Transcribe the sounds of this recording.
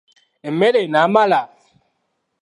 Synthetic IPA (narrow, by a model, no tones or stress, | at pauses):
em̩medenaamala